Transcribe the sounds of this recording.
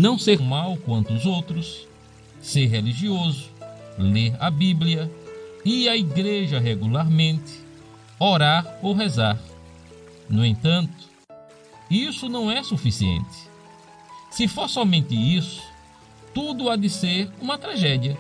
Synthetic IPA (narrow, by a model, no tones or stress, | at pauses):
nɐ̃w̃seɾmawkwɐ̃nt̪ʊːzowt̪ɾʊsː | eɾɦeliʒiozʊ̥leɾɐbibliɐiɐiɡɾeʒɐɦɛɡulaɾmẽnt̪ɪ̥ | ɔɾaɾowɦɛzaɾ | nʊẽnt̪ɐ̃nt̪ʊ̥ | isʊnɐ̃w̃ɛsufisiḛ̃nt̪ɪ̥ | sɪfoɾsɔmẽnt̪ɪisʊ̥ | t̪ud̪ʊad̪ɪseɾũmɐt̪ɾaʒɛd̪iɐ